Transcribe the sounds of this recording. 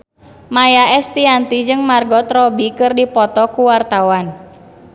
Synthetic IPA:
majaɛst̪iant̪id͡ʒɨŋmarɡɔt̪ɾɔbikɨrdipɔt̪ɔkuwart̪awan

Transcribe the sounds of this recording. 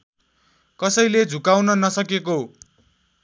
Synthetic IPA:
kʌsʌjled͡zʱukawnʌnʌsʌkeko

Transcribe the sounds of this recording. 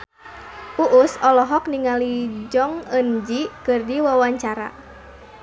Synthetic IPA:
ʔuʔusɔlɔɦɔkniŋalid͡ʒɔŋənd͡ʒikɨrdiwawaɲt͡ʃaɾa̰

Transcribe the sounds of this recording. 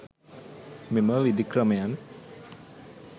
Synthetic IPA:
miməʋid̪ikrɐmɐjan

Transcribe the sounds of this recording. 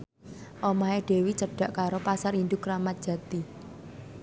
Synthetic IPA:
ʔomaeɖ̥e̤wit͡ʃəɖ̥a̤ʔkaɾopasaɾind̪ʊkɾamat̪̚d̥ʒ̥ä̤t̪i

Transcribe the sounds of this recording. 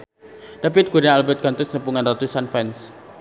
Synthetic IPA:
d̥apɪt̪̚ɡ̥uɾaalbɛt̪̚kant̪ʊsnəpuŋanrat̪usanfɛns

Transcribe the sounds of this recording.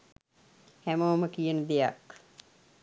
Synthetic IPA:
hæmoːməkijənəd̪eja̰k

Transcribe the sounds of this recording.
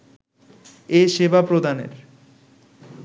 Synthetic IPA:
eʃebapɾod̪anḛɾ

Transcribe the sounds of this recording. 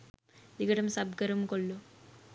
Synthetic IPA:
d̪iɡɐʈɐmsɐbɡɐɾɐmkolːu

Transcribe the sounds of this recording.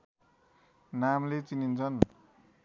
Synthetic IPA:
namlet͡sinint͡sʰʌn

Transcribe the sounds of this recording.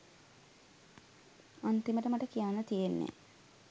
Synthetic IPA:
ant̪iməʈəmaʈəkijaːnət̪ijenːḛ

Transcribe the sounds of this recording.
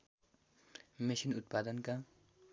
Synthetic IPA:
mesinut̪̚pad̪ʌnka

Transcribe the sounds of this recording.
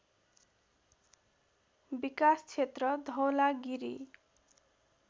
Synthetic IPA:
bikast͡sʰet̪rʌd̪ʱʌwlaɡiɾḭ

